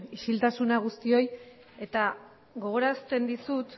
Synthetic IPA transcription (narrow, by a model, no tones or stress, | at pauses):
iʃilt̪asunaɣ̞ust̪io̞j | e̞t̪a | ɣo̞ɣ̞o̞ɾast̪e̞nd̪isut̪